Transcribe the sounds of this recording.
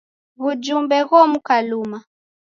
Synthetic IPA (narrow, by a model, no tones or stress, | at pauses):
βud͡ʒumbɛɣɔmukaluma